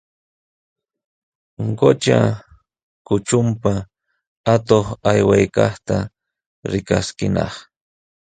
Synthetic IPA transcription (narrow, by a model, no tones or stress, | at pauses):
ɢot͡ʃa | kʊt͡ʃʊmpa | at̪oχajwajkɑχt̪a | ɾɪkaskɪnɑ̰χ